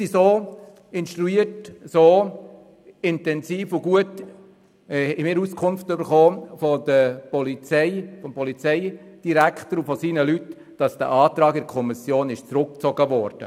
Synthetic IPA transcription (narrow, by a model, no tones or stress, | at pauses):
sisoː | ɪnʃtɾuiːətsoː | ɪntɛnsiːfuɡuət | mɪːɾuskʰʊnftøbəɾχoːfɔd̪əpɔlit͡sɛɪfɔmpɔlit͡sɛɪ | d̥iɾækχtəɾufɔsiːnəlyt | d̥ɑsd̥ə̰ʔɑːt̪ɾɑːɡɪɾkʰɔmisjoːnɪʃt͡sɾʊk̚t͡sɔɡəʋɔːɾd̥ə̰